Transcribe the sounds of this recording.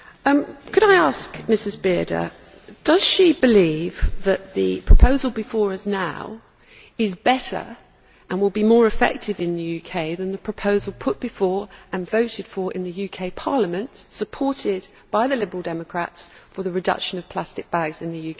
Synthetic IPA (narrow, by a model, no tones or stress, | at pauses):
ʌkʰɨɾaɪɑˑskmɪsɪzbɪədə̰ | d̥ʌz̥ʃibɪlivðəʔ̪ðɨpʰɹ̥əpʰəʊzəlˠbɨfɔːɹʌznaʊ | ɪzbɛtə̰˞ | ʔə̃nwɪlˠbimɔːɹɨfɛ̰k̚tɪvɪ̃nðɨjʉkʰeɪðə̃nðəpʰɹ̥əpʰəʊzəlˠpʰʊʔ̚b̥ɨfɔɹə̃nvəʊɾɪd̥fə˞ʔɪ̰̃nðɨjʉkʰeɪpʰɑɹləmə̃ntsəpʰɔˑtɪd | b̥aɪðəlɪbəɹəlˠdɛməkʰɹ̥a̰tsfə˞ðəɹɨdʌ̰kʃə̃nʌv̥pʰl̥astɨk̚b̥aɡzɨ̃nðɨjʉkʰeɪ